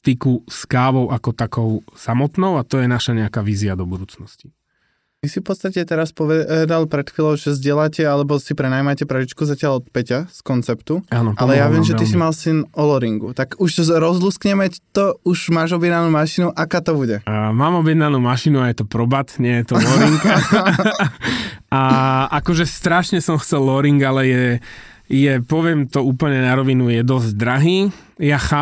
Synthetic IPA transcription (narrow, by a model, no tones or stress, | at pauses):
t̪ikuskaːʋɔʊʔakɔt̪akɔʊsamɔt̪nɔʊat̪ɔjɛnaʃaɲɛakaːʋiːziad̪ɔbud̪uːt͡snɔsci̥ | ʋisifpɔt̪st̪acɛt̪ɛɾaspɔʋɛɛd̪alpɾɛt̪xilɔʊʒɛzɟɪɛlacɛalɛbɔsipɾɛnaːjmacɛpɾait͡ʃkuzacɪaʎɔt̪pɛcaskɔnt͡sɛpt̪uanɔʔallɛjaʋɪɛmʒɛt̪isimalsinɔlɔɾiŋɡut̪aɡuʃɾɔzluskɲɛmɛct̪ɔuʒmaːʒɔbjɛd̪nanuːmaʃinuʔakaːt̪ɔbuɟɛmaːmɔbjɛd̪nanuːmaʃinuajɛt̪ɔpɾɔbat̪ɲɪɛjɛt̪ɔlɔɾiŋɡ | aʔakɔʒɛst̪ɾaʃɲɛsɔmxt͡sɛlːɔɾiŋɡalɛjɛ | jɛpɔʋɪɛmt̪ɔuːpl̩ɲɛnaɾɔʋinujɛd̪ɔzɟd̪ɾaɦiː | jaxaː